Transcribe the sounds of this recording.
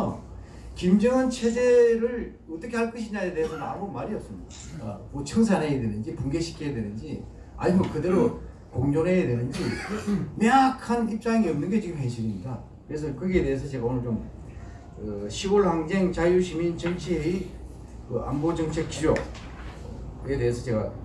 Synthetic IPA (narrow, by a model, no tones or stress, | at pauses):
kimd͡ʑʌŋɯnt͡ɕʰe̞d͡ʑe̞ɾɯɭ | ʌt͈ʌkʰe̞haɭk͈ɯɕʰiɲaede̞ɦesʰʌnɯna̰mbomaɾiʌp̚s͈ɯmɲida̰ | kot͡ɕʰʌŋs̬ʰaneedwenɯnd͡ʑipuŋɡeɕʰi̥kʰijadwenɯnd͡ʑi | a̰ibʰʌkɯde̞ɾo | koŋɲonejedwenɯnd͡ʑimeakʰanip̚t͡ɕ͈aŋiʌmnɯnɡe̞t͡ɕiɡɯmɦeɕʰiɾimɲida | kɯɾes̬ʰʌkɯɡeedees̬ʰʌt͡ɕe̞ɡaonɯɭt͡ɕom | kɯɕʰioɭhaŋd͡ʑe̞ŋt͡ɕajuɕʰimint͡ɕʌŋt͡ɕʰiɦei | kɯʔa̰mbod͡ʑʌŋt͡ɕʰe̞k̚t͡ɕid͡ʑo | ke̞de̞ɦesʰʌt͡ɕe̞ɡa̰